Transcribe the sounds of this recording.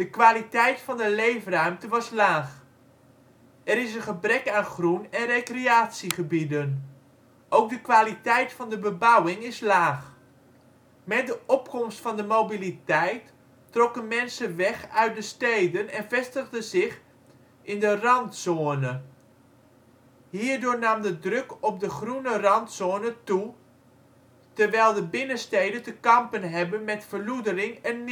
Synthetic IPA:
d̥əkʋaːlitɛjtfɑndəlejfrœɥmtəʋɑslaːχ | ɛɾɪsənχəbrɛkaːnχrunɛnrekreaːtsiχəbidən | ʔowk̚dəkʋaːlitɛjtfɑndəbəbɑwɪŋɪslaːχ | mɛt̚dəɔpkɔmstfɑndəmobilitɛjtː | rɔkənmɛnsəʋɛxœɥt̚dəstejdənɛnvɛstəɣdəzɪx | ɪndərɑntsoənə | hiːɹdʊːɹnamdədrɵkɔp̚dəχrunərɑntsoːnətu | təɹʋɛjlˠdəbɪnəstejdətəkɑmpənɦɛbənmɛtfəɹludərɪŋɛnː

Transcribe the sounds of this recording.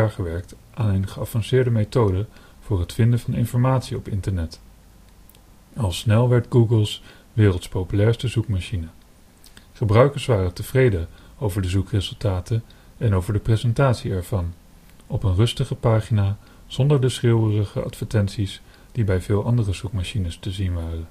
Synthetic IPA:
aɹχəʋɛɹk̚t | ʔaːnənχəɑvɑnsɪːɹdəmetowdə | v̥ʊːrɦətfɪndənvɑnɪnfɔɹmaːtsiɔpɪntəɹnɛt | ɑlˠsnɛlˠʋɛɹdɡuɡəlˠs | ʋɪːrəlˠtspowpylɛːɹstəzukmaʃinə | χəbrœɥkəɹsʋaːrətəv̥rejdəowvəɹdəzukrezɵlˠtaːtən | ɛnowvəɹdəprezɛntaːtsiɛɹv̥ɑn | ɔpənrɵstəχəpaːχinaː | z̥ɔndəɹdəsrɪwərəχəɑ̰tfəɹtɛnsis | d̥ibɛjvɪːlˠʔɑndərəzukmaʃinəstəzinʋaːrən

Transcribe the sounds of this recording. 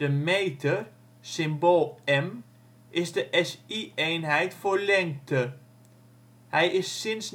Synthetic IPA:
dəmejtə | sɪmbolˠɛm | ʔɪzdəʔɛsiejnɦɛjtfʊːɹlɛŋk̚tə | hɛjɪsːɪns

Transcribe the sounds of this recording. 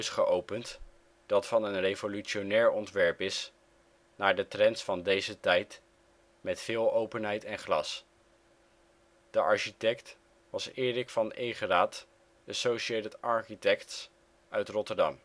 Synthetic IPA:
sχəʔowpənt | d̥ɑtfɑnənrejvolyʃonɛːɹɔntʋɛɹpɪs | naːɹdətrɛntsfɑndejzətɛjt | mɛtfɪːlˠowpənɦɛjtɛnχlɑ̰s | d̥əʔɑɹʃitɛkt | ʋɑsɪːɹɪkfɑnejχəraːt | əsowʃejtətʔɑɹχitɛkts | œɥtrɔtəɹdɑ̰m

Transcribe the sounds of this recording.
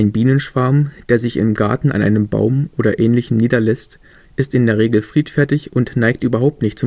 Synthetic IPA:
ɪnbiːnənʃv̥aɐmd̥eːɐzɪçɪ̰mɡa̰ɐtn̩a̰nʔa̰ɪnəmba̰ʊmʔoːɾɐʔɛːnlɪçn̩niːdɐlɛst | ʔɪstɪndeːɐʁ̞eːɡl̩fʁ̥iːtfɛɐtɪçʊntnaɪk̚tʔyːbɐɦaʊp̚tnɪçt̚t͡sʊ

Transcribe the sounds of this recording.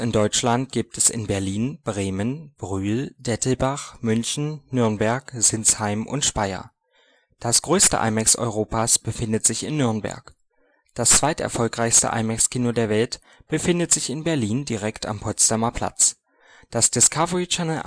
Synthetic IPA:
ɪndɔʏt͡ʃlant̚ɡ̥iːp̚tʰɛsɪ̰nbɛɐliːnb̥ʁeːmənb̥ʁyːld̥ɛtl̩baχmʏnçn̩ːʏɐnbɛɐkz̥ɪnt͡shaɪmʔʊ̰ntʃpaɪɐ̰ | d̥asɡ̥ʁøːstə̰ʔa̰ɪmɛksɔ̰ʏʁ̞oːpaːsb̥əfɪndətz̥ɪçɪnːʏɐnbɛ̰ɐk | d̥ast͡sv̥aɪtʔɛ̰ɐfɔlkʁaɪçstə̰ʔa̰ɪmɛkskʰiːnodeːɐvɛlt | b̥əfɪndətz̥ɪçɪnbɛɐliːndiʁɛkta̰mpʰɔt͡stamɐpʰl̥a̰t͡s | d̥asd̥ɪskʰavəʁit͡ʃɛnəl̩

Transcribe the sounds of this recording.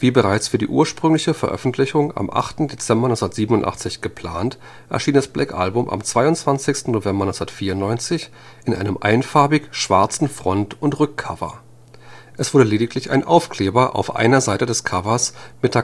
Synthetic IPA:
v̥iːbəʁaɪt͡sfyːɐdiːʔṵːɐʃpʁ̥ʏŋlɪçəfɛɐʔœ̰fn̩tʰlɪçʊŋa̰mʔa̰χtn̩det͡sɛmbɐnɔsndɐtz̥iːbənʊntʔa̰χt͡sɪçɡ̥əpʰl̥aːnt | ʔɛɐʃiːndasb̥lɛkʔa̰lbʊmʔa̰mt͡sv̥aɪʊntt͡sv̥ant͡sɪçstn̩novɛmbɐnɔsndɐtfiːɐʊntnɔʏnt͡sɪç | ʔɪnʔa̰ɪnəmʔa̰ɪnfaɐbɪkʃv̥aɐt͡sn̩fʁ̥ɔntʊntʁʏkʰːavɐ̰ | ʔɛsv̥ʊɐdəleːdɪklɪça̰ɪnʔaʊfkʰl̥eːbɐʔa̰ʊfʔa̰ɪnɐzaɪtədɛskʰavɐsmɪtʰa

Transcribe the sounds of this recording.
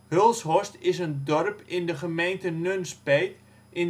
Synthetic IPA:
hølˠsɦɔstɪsəndɔrpɪndəχəmejntənønspejt | ʔɪn

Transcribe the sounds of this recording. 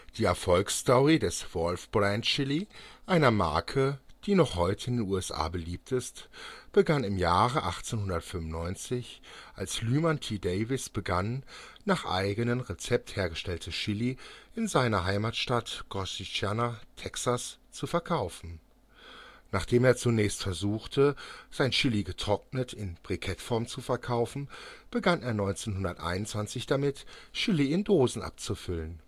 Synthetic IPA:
d̥iːɛɐfɔlkstɔʁidɛsv̥ɔlfb̥ʁantʃɪliʔaɪnɐma̰ɐkʰəd̥iːnɔχhɔʏtəɪndeːnuːɛsʔa̰ːbəliːp̚tʰɪstb̥əɡanɪmjaːʁəʔa̰χt͡senhʊndɐtfʏmʊnːɔʏnt͡sɪçʔa̰lslyːmantʰideɪvɪsb̥əɡanː | aːχʔa̰ɪɡənənʁet͡sɛp̚theːɐɡəʃtɛltʰəʃɪliʔɪnzaɪnɐɦaɪmaːtʃtatɡ̥ɔsit͡ʃjaːnatʰɛksast͡sufɛɐkʰaʊfn̩ | naːχd̥eːmeːɐt͡sunɛːçstfɛɐzuːxtʰəz̥aɪnʃɪliɡətʁ̥ɔk̚nətʰɪnb̥ʁikʰɛtfɔɐmt͡sufɛɐkʰaʊfn̩b̥əɡaneːɐnɔʏnt͡seːnɦʊndɐtʔa̰ɪnʊntt͡sv̥ant͡sɪçd̥amɪtʃɪliɪndoːzn̩ʔa̰p̚t͡sufʏlən

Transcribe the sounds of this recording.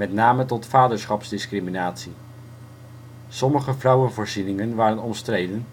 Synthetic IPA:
mɛtnaːmətɔtfaːdəɹsχɑpzdɪskriminaːtsi | sɔməχəvrʌwənvʊːɹzinɪŋənʋaːɾənɔmstrejdən

